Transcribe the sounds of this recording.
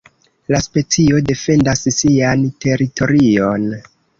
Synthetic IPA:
laspe̞t͡sio̞de̞fe̞ndassiantʰe̞ɾitʰo̞ɾio̞n

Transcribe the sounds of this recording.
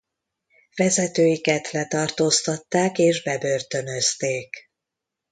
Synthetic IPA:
vɛzɛt̪øːjikɛt̪lɛt̪ɒrt̪oːst̪ɒt̪ːaːkeːʒbɛbørt̪ø̞nø̞st̪eːk

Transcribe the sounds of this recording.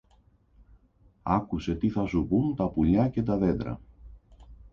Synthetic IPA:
ɐkuse̞t̪iθɐsupunt̪ɐpuʎɐce̞t̪ɐðe̞d̪ɾɐ̰

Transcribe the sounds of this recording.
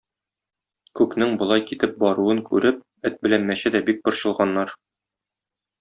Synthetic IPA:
kʉknɘŋbŏlˠɑjkit̪ɘp̚bɒɾuɤŋkʉɾɘp̚ | ɘt̪̚bɘ̆lænmæɕɘd̪æbik̚bɤ̆ɾɕɤ̆lˠʁɑnːɑɾ

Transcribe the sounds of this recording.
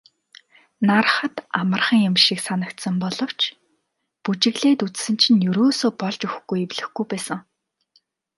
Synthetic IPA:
naɾ̆χə̆t̪amə̆rχə̆ŋjʊmʃiksanə̆kt̪sə̆mpɔɮɞ̆w̥t͡ɕʰ | put͡ɕɪ̆ɣɮeːt̪ut͡ssɘ̆n̥t͡ɕʰĭnjɵɾoːsoːpɔɮt͡ɕɵxɡujewɮɘ̆xɡujpæːsə̆ŋ

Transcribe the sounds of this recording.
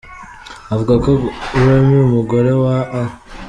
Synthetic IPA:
avuɡakoɾemiumuɡoɾewaʔa

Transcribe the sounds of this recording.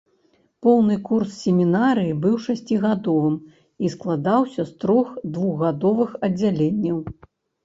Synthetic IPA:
pɔwnɨkurssʲemʲinaɾɨjibɨwʂasʲt͡sʲiɣad̪ɔvɨm | isklˠad̪awsʲɐst̪ɾɔxd̪vuɣːad̪ɔvɨxɐd͡zʲalʲenʲːɐw

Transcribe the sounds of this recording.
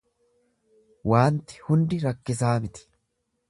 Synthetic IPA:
waːnt̪ɪ̥hʊnd̪ɪɾɐkːɪsaːmɪt̪ɪ̥

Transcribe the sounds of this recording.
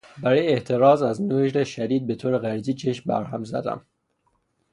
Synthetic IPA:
bæɾɒːjeeʔt̪ʰe̞ɾɒːzæznoʒɾeʃæd̪iːd̪̚be̞t̪ʰoːɾeɣæɾd͡ʒiːt͡ʃʰeʃmbæ̰ɾɦæmzæ̰d̪æ̰m

